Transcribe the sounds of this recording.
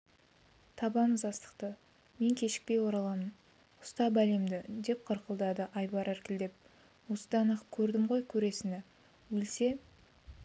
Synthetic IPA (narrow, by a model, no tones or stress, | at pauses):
t̪ʰɑbɑməzɑst̪ə̥qt̪ə | me̞ŋkʲʰe̞ʃɪ̥k̚pe̞jwo̞ɾɑlˠɑmən | ʊ̥st̪ɑbæle̞md̪ɪd̪e̞p̚qʰəɾqəlˠd̪ɑd̪əʔɑjbɑɾæɾkʲɪld̪e̞p̚ | wo̞səd̪ɑnəqkʲʰɵɾd̪ɪmʁo̞jkʲʰɵɾe̞sɪnɪ | wɵlse̞